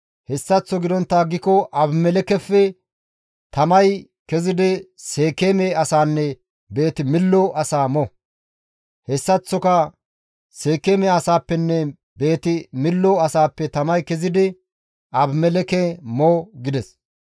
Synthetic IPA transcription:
hɛsːɐt͡sːɔɡɪd̪ɔnt̪ːaːɡɪkɔʔɐbmɛlɛkɛfːɛ | t̪ɐmɐj | kɛzɪd̪ɪse̞ːkemeɐsaːnːɛ | be̞ːt̪ɪmɪlːɔʔɐsaːmɔ | hɛsːɐt͡sːɔkɐ | se̞ːkːeːmɛɐsaːpːɛnːɛ | be̞ːt̪ɪmɪlːɔɐsaːpːɛt̪ɐmɐjkɛzɪd̪ɪ | ʔɐbmɛlɛkɛmoːɡɪd̪ɛs

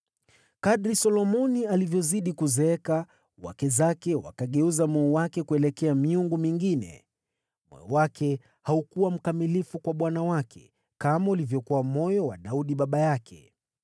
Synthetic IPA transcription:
kaɗɾisɔlɔmɔnialivjɔziɗikuzɛɛka | wa̰kɛzakɛwa̰kaɠɛuzamɔɔwakɛkuɛlɛkɛamiuŋɡumiŋɡinɛ̰ | mɔ̰jɔ̰wakɛ | haukuwam̩kamilifukwaɓwanawakʰɛ̥̰ | kamaulivjɔkuwamɔjɔwaɗauɗiɓaɓajakʰɛ̰

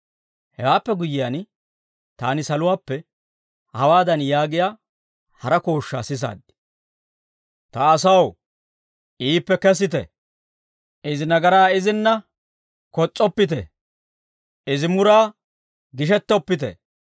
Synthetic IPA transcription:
hɛwaːpːɛɡʊjɪjaːn | t̪aːnɪsɐlʊwaːpːɛ | hɐwaːd̪ɐnjaːɡɪjaː | hɐɾɐko̞ːʃːa̰ːsɪs̬a̰ːd̪ːɪ̥ | t̪ɐːsɐw | ʔiːpːɛkɛs̬ɪt̪̬ɛ̰ | ʔɪzɪnɐɡɐɾaːɪzɪnːɐ | kɔt͡sʼːɔpːɪt̪̬ɛ̰ | ɪzɪmʊɾaː | ɡɪʃ̬ɛt̪ːɔpːɪt̪̬ɛ̰

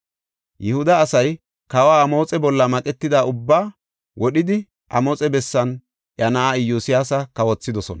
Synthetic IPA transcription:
jʔɛhʊd̪ɐːsɐj | kɐwaːmo̞ːt͡sʼɛbɔlːɐmɐkʼɛt̪ːɪd̪aʊbːaː | wɔɗɪd̪ɪ | ʔɐ̰mɔːt͡sʼɛbɛsːɐn | ʔjɐnɐaɪjːuːsɪjaːsɐkɐwɔt͡sːɪd̪ɔsɔnɐ

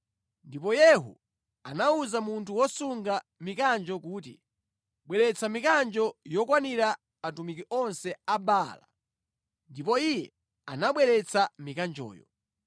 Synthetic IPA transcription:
ndipɔjɛɦṵ | anauzamuntʰuwɔsuŋɡa | mikand͡ʒɔkuːtḭ | ɓwɛɾɛt͡sʰamikand͡ʒɔjɔkwaniɾa | atumikiʔɔnsɛabala | ndipɔijɛ | a̰naɓwɛɾɛt͡samikand͡ʒɔ̰ːjɔ̰

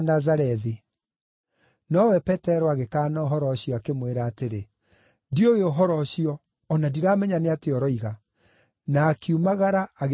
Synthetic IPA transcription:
nazaɾɛði | nɔwɛpɛtɛɾɔaɣekaːnaoɦɔɾɔɕiɔakemweɾaːteɾe | dioeoɦɔɾɔɕiɔː | nadiɾaːmɛɲaneateɔɾɔiɣa | naːkumaɣaɾaːɣ

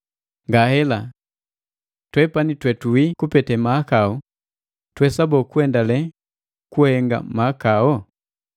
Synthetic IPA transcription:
ŋɡahɛla | twɛpanitwɛtuwikupɛtɛmaakaɔ | twɛsabɔkuɛndalɛ | kuhɛŋɡa̰maːkaɔ

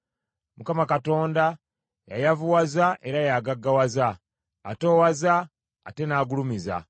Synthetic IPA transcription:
mukamakato̞ːnda | ja̰javuwazaʔe̞ɾajaɡaɡːawazaː | to̞ːwazaː | te̞naːɡulumiza̰

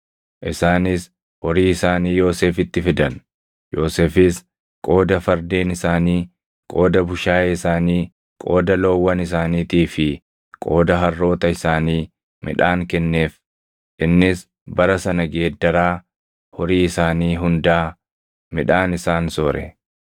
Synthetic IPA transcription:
ʔɪsaːnɪs | ɔɾiːɪsaːniːjo̞ːseːfɪt̪ːɪfɪd̪ɐn | jo̞ːseːfɪs | kʼo̞ːd̪ɐfɐɾd̪eːnɪsaːniː | kʼo̞ːd̪ɐbʊʃaːjɛɪsaːniː | kʼo̞ːd̪ɐlo̞ːwːɐnɪs̬aːniːt̪iːfɪ | kʼo̞ːd̪ɐɦɐrːo̞ːt̪ɐɪsaːniː | mɪ̰ᶑaːŋkɛnːe̞ːf | ʔɪnːɪs | bɐɾɐsɐnɐɡeːd̪ːɐɾaː | hɔɾiːɪsaːniːɦʊnd̪aː | mɪᶑaːnɪsaːnsɔɾɛ̰

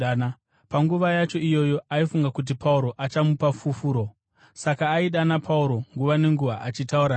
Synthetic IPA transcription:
na | paŋɡuʋajat͡ʃo̞ijo̞jo̞aifuŋɡakut̬ipauɾo̞ʔat͡ʃamupafufuːɾo̞ | sakaːiɗanapʰauɾo̞ŋɡuʋane̞ŋɡuʋaʔat͡ʃitauɾa

